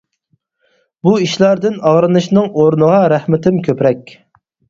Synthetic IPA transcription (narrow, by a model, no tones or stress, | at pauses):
buiʃlˠɑɾd̪ɨnɑʁɾɨnɨʃnɨŋoɾnɨʁɑɾæhmɪt̪ɪmkʲʰøpɾɛkʲ